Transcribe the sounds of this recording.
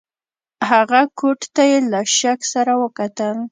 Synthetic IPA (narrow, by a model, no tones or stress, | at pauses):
haɣakʊʈt̪ajelaʃaksaɾawəkat̪əl